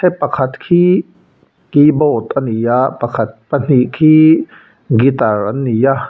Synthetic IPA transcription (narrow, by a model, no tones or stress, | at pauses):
sʰepːɐkʰat̪kʰi | kibɔt̪anijapɐkʰɐt̪̚pɐn̥iʔkʰiː | ɡit̪aɾanːija